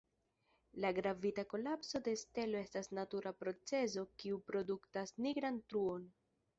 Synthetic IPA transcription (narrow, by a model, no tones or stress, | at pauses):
laɡɾavitako̞lapso̞de̞ste̞lo̞e̞stasnatuɾapɾo̞t͡se̞zo̞kiupɾo̞duktasniɡɾantɾuo̞n